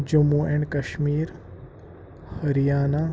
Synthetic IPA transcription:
d͡ʒɐmːuːeɛ̃ɳɖkɐʃmiːɾ | hɐɾijaːna

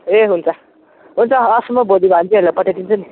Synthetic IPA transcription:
eɦunt͡sʰʌ | ɦunt͡sʰʌːsmʌbod̪ibʱant͡siɦelapʌʈʰaʈint͡sʰʌni

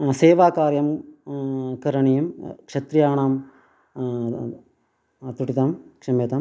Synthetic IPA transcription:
seːʋaːkaːɾjɐm | kɐɾɐɳijɐmkʂɐt̪ɾijaːɳaːm | t̪uʈːit̪aːmkʂɐmeːt̪aːm

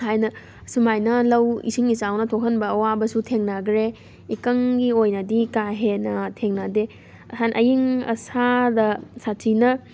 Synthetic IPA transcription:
hajnɐ | sumajnɐlɐwḭsiŋisawnɐtʰokʰənbɐːwabɐsutʰeŋnaɡɾe | ikɐŋɡiojnɐdikaɦenɐtʰeŋnade | sanʔɐjiŋɐ̰sadɐsatinɐ

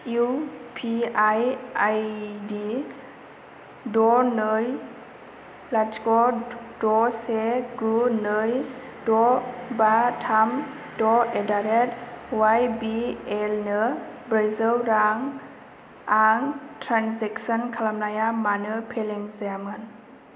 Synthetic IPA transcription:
iupʰiajajdi | dɔnɯj | latkɔdɔseɡunɯj | dɔbatʰam | dɔedaɾet̚wajbielnɯbɾazəlɾaŋ | aŋtʰɾanseksɔnkʰalamnajamanɯpʰeleŋzaamɯn

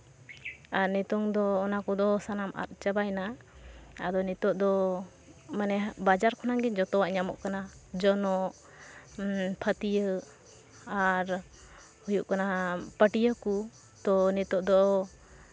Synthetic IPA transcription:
aɾnit̪ɔŋd̪ɔːnakɔd̪ɔsanama̰t̪̚t͡ʃəbajna | ad̪ɔnit̪ɔʔd̪ɔ | manɛbad͡ʒaɾkɔnaɡɛd͡ʒɔt̪ɔwaʔɲamɔ̰ʔkanad͡ʒɔnɔʔ | pʰət̪ijə | aɾ | hujuʔkanapəʈijəku | t̪ɔnit̪ɔʔd̪ɔ

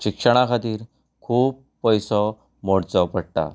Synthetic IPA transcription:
ɕikʂəɽ̃akʰat̪iːɾ | kʰuːbːəjsɔ | moɽt͡sɔpəɽʈ̪a̰

